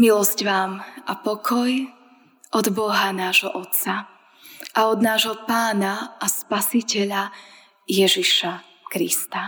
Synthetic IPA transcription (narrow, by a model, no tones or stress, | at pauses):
milɔscʋaːmʔapɔkʰɔj | ʔɔd̪bɔɦanaːʒɦɔʔɔt̪t͡sa | ʔaɔd̪naːʒɦɔpaːnaaspasicɛʎa | jɛʒiʃa | kɾḭst̪a